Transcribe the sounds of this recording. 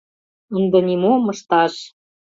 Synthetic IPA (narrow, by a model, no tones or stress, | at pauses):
und̪ɤ̆nimomɤ̆ʃt̪ɑʃ